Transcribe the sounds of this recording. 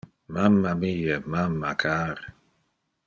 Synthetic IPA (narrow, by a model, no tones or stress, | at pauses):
mamːamijɛmamːakʰaːɾ